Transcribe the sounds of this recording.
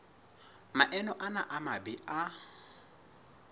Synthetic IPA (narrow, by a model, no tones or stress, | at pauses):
maʔɛnɔʔanaʔamabɪa